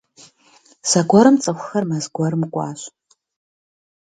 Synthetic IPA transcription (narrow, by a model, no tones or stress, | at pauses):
saɡʷɔɾɨmt͡sʼɐxʷxɐrmazɡʷaɾɨmkʷʼa̰ːʃʷ